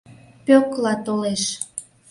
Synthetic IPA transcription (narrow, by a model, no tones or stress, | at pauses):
pøklɑt̪oleʃ